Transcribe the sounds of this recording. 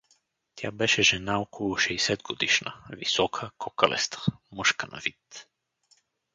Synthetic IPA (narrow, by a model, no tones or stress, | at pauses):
t̪ʰʲa̰bɛʃɛʒɛnaɔkʰolˠʊʃɛjsɛd̪ɡod̪iʃnə̰visɔkʰəkɔkəlɛ̰st̪ə̥mɤʃkəna̰vit̪